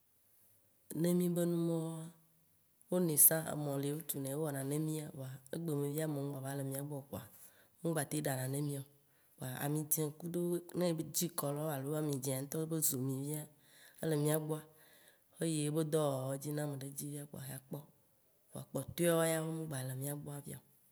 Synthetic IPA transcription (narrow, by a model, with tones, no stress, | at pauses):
nẽ˦mĩ˦be˦nũ˦mɔ̃˦a˦ | wo˦nẽ˨sã˦ḛ˨mɔ̃˨le˨˦o˦t̪u˨nɛ̃˨wo˦wɔ˨nã˨nẽ˦mĩ˦a˨wo˨a˨e˦ɡ͡be˨mẽ˨vi˦a˦mɔ̃˨m̃˦ɡ͡ba˨va˦le˨mĩ˦a˨ɡ͡bɔ˦˨k͡po˨a̰˨ | mũ˦ɡ͡ba˨t̪e˦ɖa˨nã˨nẽ˦mĩ˦ɔ˨ | wo˨a˨a̰˨mĩ˨d͡ʒɛ̃˨ku˦ɖo˦nẽ˦d͡ʑi˦kɔ˨lɔ˦a˨lo˨˦a˨mĩ˨d͡ʒɛ̃˨a˨ŋ̩˦t̪ɔ˦be˦zo˨mĩ˨vi˦a˦ | ḛ˦le˨mĩ˦a˨ɡ͡bo˦a˦ | e˦je˦be˦d̪ɔ˦wwɔ˦d͡ʑi˦nã˦mẽ˨ɖe˦d͡ʑi˦vi˦a˦k͡po̰˨a̰˨ɦa˨k͡pɔ˦ | wo˨a̰˨k͡pɔ˨t̪o˦a˦wɔ˦ja˦be˦mũ˦ɡ͡ba˨le˨mĩ˦a˨ɡ͡bo˦a˨vi˦a̰˨o˨